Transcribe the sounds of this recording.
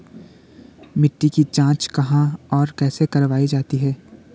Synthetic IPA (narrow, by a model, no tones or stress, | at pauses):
mɪʈːikid͡ʒãːt͡ʃkɐɦãɔːɾkɛːsekɐɾʋaːid͡ʒaːt̪iɦɛː